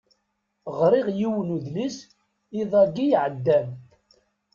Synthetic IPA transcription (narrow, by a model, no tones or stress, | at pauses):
ʁɾˤɪʁjiwənuðlis | iðˤæɡijʕəd̪ːæm